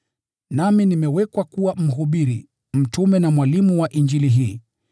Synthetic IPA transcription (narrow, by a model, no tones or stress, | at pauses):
naminimɛwɛkwakuwam̩ɦuɓiɾḭ | m̩tumɛnamwalimuwaʔind͡ʒiliɦiː